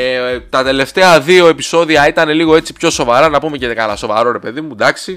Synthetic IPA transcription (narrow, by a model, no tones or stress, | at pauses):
t̪ɐt̪e̞le̞ft̪e̞ɐðio̞e̞piso̞ðiɐit̪ɐne̞liɣo̞e̞t͡si̥pço̞so̞vɐɾɐnɐpume̞cekɐlɐso̞vɐ̰ɾo̞ɾe̞pe̞ðimud̪ɐksi